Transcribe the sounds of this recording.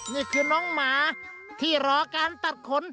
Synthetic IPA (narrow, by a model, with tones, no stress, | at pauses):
ŋɯ˧˩kʰɯː˧˥nɔː˦˥ŋmaː˨˧˦t̪ʰiː˥˩ɾɔː˧˥kaː˧nt̪a˨˩t̪̚kʰo˧˥n